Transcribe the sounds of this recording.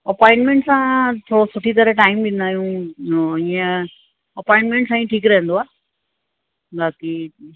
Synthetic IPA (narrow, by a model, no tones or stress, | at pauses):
ɐpɔːɪ̃ɳʈmẽɳʈsãt̪ʰoːɽosʊʈʰit̪əɾeʈaːɪmbɪ̃nd̪aːɦijũ | iːə̃ | ɐpɔ̃ɪ̃ɳʈmẽɳʈsãːĩʈʰiːkɾɐɦə̃nd̪oaː | baːki